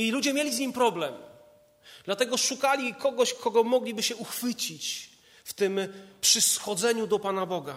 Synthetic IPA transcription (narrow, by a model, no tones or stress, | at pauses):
ilud͡ʑɛmʲjelʲizɲimpɾɔblɛm | d̪̥lat̪ɛɡɔʂukalʲikɔɡɔɕkʰɔɡɔmɔɡlʲibɘɕɛuxfɘt͡ɕit͡ɕ | ft̪ɘmpʂɘsxɔd̪zɛɲud̪ɔpanabɔɡa